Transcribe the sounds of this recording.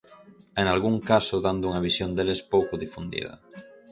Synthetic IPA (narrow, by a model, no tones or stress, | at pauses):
eŋalɣuŋkasʊðand̪ʊuŋɐβisjond̪elespowkʊðifund̪ḭð̞ɐ̰